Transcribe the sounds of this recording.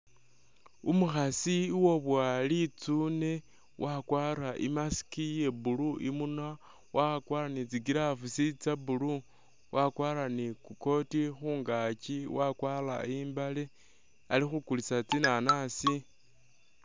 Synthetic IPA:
umuxasiwo̞βwalit͡sune̞ | wʔakwaːɾaʔḭmasi̥kije̞buluʔimuna | wakwaːɾanit͡siɡiɾafusit͡sabulu | wakwaːlanikuko̞tixuːŋɡat͡ʃiwakwala̰iːmbale | alixukulisat͡sinanasi

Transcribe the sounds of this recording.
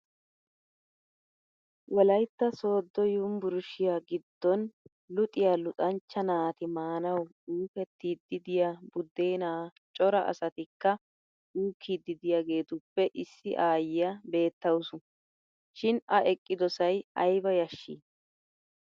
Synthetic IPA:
wʔɔlɐjt̪ːɐso̞ːd̪ːɔjumbʊɾʊʃɪjaːɡɪd̪ːɔn | lʊt̪ʼɪjaːlʊtʼɐnt͡ʃːɐnaːt̪ɪmaːnɐw | uːfɛt̪ːiːd̪ːɪd̪ɪjabʊd̪ːeːnaː | t͡ʃʼɔɾɐʔɐ̰sɐt̪ɪkːɐ | uːkʰːiːd̪ːɪd̪ɪjaɡe̞ːt̪ʊpːɛʔɪsːɪʔaːjɪjabe̞ːt̪ːɐwsʊ | ʃɪnɐʔɛkʼːɪd̪ɔsɐjɐjbɐjɐʃːḭː

